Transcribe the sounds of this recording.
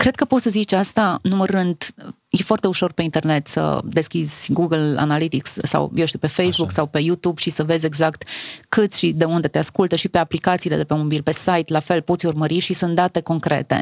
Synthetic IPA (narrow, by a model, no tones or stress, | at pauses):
kɾe̞d̪̚kəpo̞t̪səzit͡ʃast̪anuməɾɨnd̪ | jefoart̪e̞uʃo̞rpe̞int̪e̞rne̞t̪sə̰d̪e̞skʲizʲɡuɡəla̰nalit̪iksːa̰wjewʃt̪iuwpe̞fejsbuksawpe̞jut̪ubʃisəve̞zʲe̞ɡzakt̪kɨt̪sʲʃid̪e̞und̪e̞t̪e̞askult̪əʃipe̞aplikat̪siːle̞d̪epemobilpe̞sajt̪lafe̞lpo̞t̪sʲurməɾiʃisɨnt̪̚d̪at̪e̞ko̞ŋkɾḛt̪ḛ